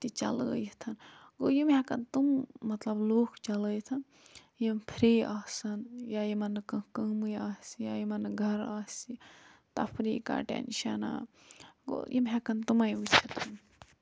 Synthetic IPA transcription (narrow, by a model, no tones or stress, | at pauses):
t̪it͡ʃɐlə̰ːjit̪ʰɐnɡoːjimɦɛkɐnt̪umːɐt̪lɐbloːkʰt͡ʃɐləːjt̪ʰɐn | jimpʰiɾeːaːsɐnjajimɐnːɐkə̃kəːmɨjaːsijajimɐnɐɡʱɐɾaːsit̪ɐ̰pʰɾiːka̰ːʈḛnʃɐna̰ː | ɡo̰jimɦekɐnt̪umajut͡ʃʰɐt̪ʰun